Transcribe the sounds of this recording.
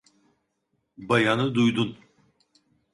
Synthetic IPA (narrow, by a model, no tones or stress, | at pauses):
bajanɯd̪ujd̪un